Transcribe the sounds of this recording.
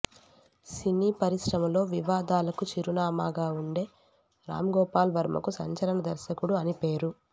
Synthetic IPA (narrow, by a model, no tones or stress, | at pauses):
siniːpɐɾisɾɐmɐlo̞ːʋiʋaːd̪aːlɐkut͡ʃiɾunaːmaːɡaːuɳɖe̞ː | ɾa̰ːmɐɡɔːpaːlʋʱɐɾmɐ̰kusɐ̰ɲt͡ʃɐlɐɳɐd̪ɐɾʃɐkuɽuɐnipe̞ːɾu